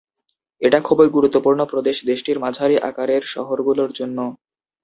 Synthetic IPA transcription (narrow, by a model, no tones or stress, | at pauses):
eʈakʰɔboɾɡuɾut̪ːopuɾnopɾod̪eʃd̪eʃʈiɾmad͡ʑʱaɾiʔa̰kaɾeɾʃɔ̰ɦoɾɡuloɾd͡ʑonːo